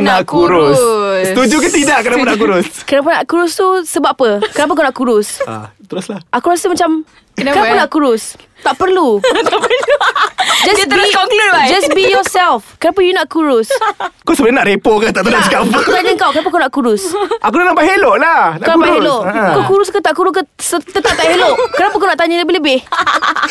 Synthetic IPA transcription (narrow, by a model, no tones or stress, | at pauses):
nakuɾust̪ud͡ʒukət̪idaʔkənapanaʔkuɾʊskənap̬anaʔkuɾʊst̪usəbapəkənap̬akonaʔkuɾʊst̪əɾʊslahakuɾasəmat͡ʃam | kənaapanaʔkuɾʊs | t̪aʔpərluapə | d͡ʒasɔləd͡ʒasbijɔsɛlfkənap̬ajunaʔ̚kuɾʊskosəbənaʔɾepokat̪aʔt̪adaikapkut̪aɲəŋkawkənapakawnaʔkuɾʊsakunanapaɦeloʔlankanapaeloʔakakuɾuskat̪aʔkuɾʊskəsət̪ət̪aʔt̪aʔheloʔkənapakawnaʔt̪aɲələbɪhləbɪh